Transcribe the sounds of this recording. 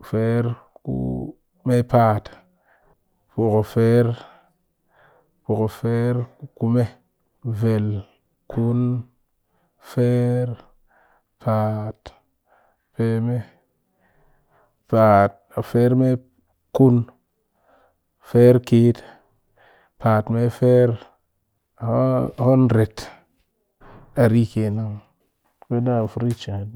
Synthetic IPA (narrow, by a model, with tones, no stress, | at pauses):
fe˦ɾ | kṵ˦ | me˦pa˨t | pu˨ko˨fe˦ɾ | po˨ko˨fe˦ɾu˦ku˦me˦ | ve˨l | ku˦n | fe˦ɾ | pʰa˨t | pe˨me˦ | pa˨t̚a˨fe˦ɾme˦ | ku˦n | fe˦ɾke˦t | pa˨tme˦fe˦ɾ | ho˦nɾe˨t | a˨ɾi˦ke˨na˦ŋ | me˦da˦˨fu˦ɾi˦t͡ʃi˨